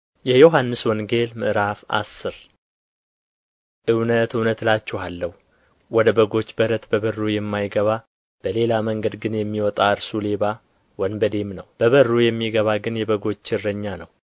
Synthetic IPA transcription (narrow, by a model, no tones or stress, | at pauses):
jɛjo̞ɦanːɨswɔŋɡe̞lmɨʔɾafʔa̰sːɨɾ | ʔɨwnət̪ɨwnət̪lat͡ʃːɛwalːəhu | wɔd̪əbəɡo̞t͡ʃːbəɾət̪bəβərːujɛmːajɡəβa | b̥əle̞laməŋɡəd̪ɡɨnjɛmːiwɔt̪ʼaɨɾsule̞βa | wənbəd̪e̞mnəwb̥əβərːujɛmːiɡəβaɡɨnjɛbəɡo̞t͡ʃːɪrːəɲːanəw